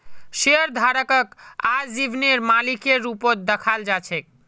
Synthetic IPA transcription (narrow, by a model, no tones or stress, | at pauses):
ʃeəɾd̪ʱaɾəkəkad͡ʒibʱneɾmalikeɾupot̪̚d̪əkʰald͡ʒat͡ʃʰɛk̚